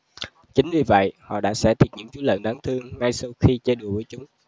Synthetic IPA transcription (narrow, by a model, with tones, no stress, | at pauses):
t͡ɕï˨˦ŋ̟vi˧və̰˧˨jhɔ̰˧˨ɗa̰ː˧˥sɛ̰˧˥t̪ʰi˨˩ət̚ɲɨ̰˧˥ŋt͡ɕu˨˦lə̰ː˧˨nɗaː˨˦ŋt̪ʰɨ˧əŋːa˧jsa˧wxi˧t͡ɕe˧ɗu˧˩əvəː˨˦t͡ɕʊ˨˦ŋ͡m